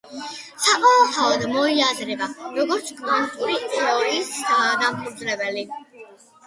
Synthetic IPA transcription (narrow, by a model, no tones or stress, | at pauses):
saqʼɔɛtʰaɔd̪mɔiazɾɛbaɾɔɡɔɾt̪sʰkʼmant̪ʼuɾiɾɔisad̪amχʰud̪zɾɛbɛli